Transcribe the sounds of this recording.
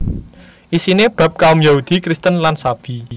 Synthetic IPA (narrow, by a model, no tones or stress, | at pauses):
ʔisineb̥ä̤p̚kaʊmjaud̪̥i̤kɾist̪ənlansab̥i